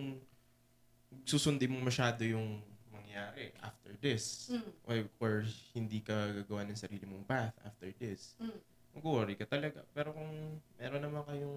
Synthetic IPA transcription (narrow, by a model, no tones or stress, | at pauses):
ŋ | suːsʊnd̪ɪmomɐʃaːd̪o̞jʊŋmɐŋjaːɾɛʔa̰ft̪ɛɹd̪ɪsʔoʔoɹhɪnd̪iːkɐɡaːɡɐwanɐŋsɐɾiːlɪmʊŋbaθʔa̰ft̪ɛɹd̪ɪs | mɐɡuʔɐɾɪkɐt̪ɐlɐɡa̰pɛːɾo̞kʊŋmɛːɾonːɐmankɐjʊŋ